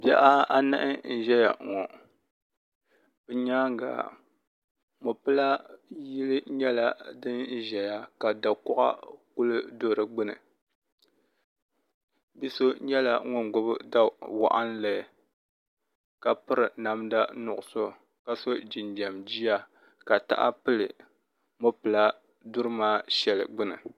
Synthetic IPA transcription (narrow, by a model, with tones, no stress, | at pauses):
bɛ̰˦ʔa˦a˦nɨ̰˦ʔɪ˦n̩˦ʒɛ˦ja˨ŋɔ˨ | bɨ˨ɲaː˦ɡa̰ː˨ | mo˨pɨ˦la˦ji˦lɨ˦ɲɛ˦la˦dɨ˦n˦ʒɛ˨ja˦ka˨da˨kʊ˦ʔa̰˦ku˦lɨ˦do˦˨ɾɨ˨ɡ͡bɨ˦nɨ̰˨ | bi˦so˦ɲɛ˦la˦ŋʊ˦nɡʊ˦bɨ˦da˦wa̰˨ʔa˦nlɨ˨ | ka˨pɨ˦ɾɨ˨na˦mda˦nʊ˨ʔʊ˨so˦ | ka˦so˦d͡ʒi˨nda˨md͡ʒi˦ja˦ | ka˨ta̰˦ʔa̰˦pɨ˦lɨ˨ | mo˨pɨ˨la˦ | du˦ɾɨ˦maː˦ʃɛ˨lɨ̰˨ɡ͡bɨ˦nɨ̰˨